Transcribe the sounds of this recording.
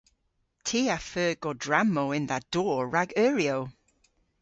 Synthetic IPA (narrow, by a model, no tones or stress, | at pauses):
tʰiːafɜːɡ̥odɹamoʊɪ̃nðəʔd̥ɔːɹaɡɜːɹioʊ